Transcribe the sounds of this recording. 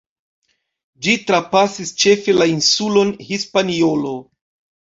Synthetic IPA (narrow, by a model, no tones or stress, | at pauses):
d͡ʒitɾapasist͡ʃe̞fe̞lainsulo̞nhispanio̞lo